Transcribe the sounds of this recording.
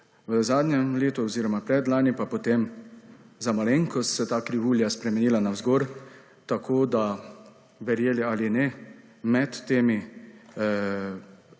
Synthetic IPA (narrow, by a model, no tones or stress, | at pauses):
ʋəzaːd̪nʲjɛleːt̪uɔziːɾɔmapɾɛd̪laːnipapɔt̪eːm | zamaleŋkɔsɛt̪aːkɾiʋuːljaspɾɛmɛniːlanawzɡoːɾ | t̪akʰoːd̪a | ʋɛɾjeːlialinɛ | mɛt̪ːeːmi